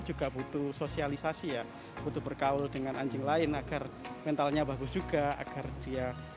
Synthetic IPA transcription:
d͡ʒuɡabut̪usosialisasija | b̥ut̪ubərkaʊldəŋanaɲd͡ʒɪŋlaɪnaɡ̥armɛnt̪alɲabaɡʊsd͡ʒ̥uɡaa̰ɡ̥ard̥ia

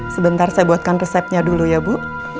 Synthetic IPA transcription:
səbənt̪arsajabuat̪̚kanrəsɛp̚ɲadulujabuʔ

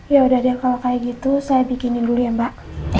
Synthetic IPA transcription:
jaudahdiakalokajaɡit̪usajabikɪnindulujambaʔ

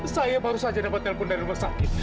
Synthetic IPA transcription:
sajabaɾusad͡ʒadabat̪ɛlpʊndaɾiməsakɪt̪̚

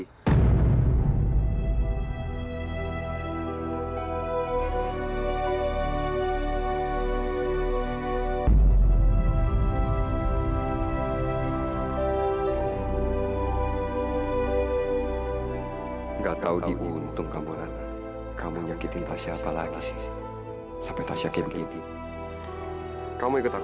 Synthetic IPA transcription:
ŋɡaʔt̪audiʔunt̪uŋkamuɾan | kamuɲakit̪int̪asiapalaɡisi̥ | sapɛt̪asiakibɡini | kamuikut̪a

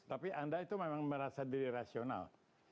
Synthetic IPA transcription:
t̪apiʔandait̪umemaŋməɾasadiɾiɾasiona̰l

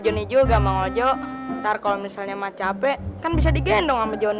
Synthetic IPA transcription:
d͡ʒɔnid͡ʒuɡamaŋɔd͡ʒɔʔt̪arkalomisalɲamat͡ʃaːpɛkanbis̬adiɡɛndɔŋamad͡ʒɔn

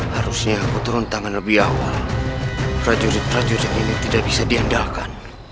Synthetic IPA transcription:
haɾusɲaːkut̪ɔɾɔnt̪aŋanlabiawal | pɾad͡ʒuɾit̪̚pɾad͡ʒuɾit̪init̪idabisadiɦandalkan

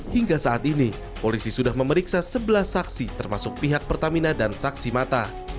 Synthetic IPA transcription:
hiŋɡasaʔat̪ini | polisisudahməməɾiksasəbəlahsaksit̪ərmasʊk̚piɦak̚pərt̪aminadansaksimat̪a

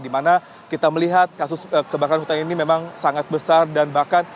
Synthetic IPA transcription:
dimana | kit̪aməliɦat̪̚kasʊsəkəbakaanɦut̪aninimemaŋsaŋat̪̚bəsardanbahkan

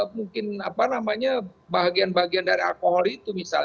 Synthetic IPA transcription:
muŋkɪnapanamaɲabaɦaɡianbaɦaɡiandaɾia̰lkoɦɔlit̪umisa̰l

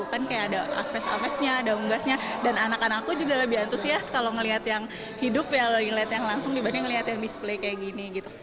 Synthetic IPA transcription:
ukankajaːdaa̰fɛsa̰fɛsɲaːdauŋɡasɲadananakanakakud͡ʒuɡaləbɪhant̪usiaskaloŋəliɦat̪jaŋ | hidʊpjalŋəliɦat̪jaŋlaŋsʊŋdibanɛŋəliɦat̪jaŋdisplekajaʔɡiniɡit̪u

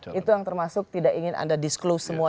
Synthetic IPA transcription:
it̪ujaŋt̪ərmasʊk̚t̪idakiŋɪna̰ndadisklowsːəmua

